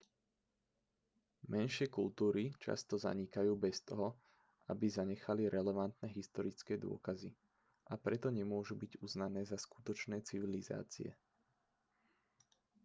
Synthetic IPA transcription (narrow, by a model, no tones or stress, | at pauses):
mɛnʃɪɛkult̪uːɾit͡ʃa̰st̪ɔza̰ɲikajuːbɛst̪ɔɦɔ | ʔabizaɲɛxaliɾɛlɛʋant̪nɛɦist̪ɔɾit͡skɛːd̪ʊɔ̰kazi | ʔapɾɛt̪ɔɲɛmʊɔʒubiɟuznanɛːzasku̥t̪ɔt͡ʃnɛːt͡siʋiliza̰ːt͡sḭɛ̰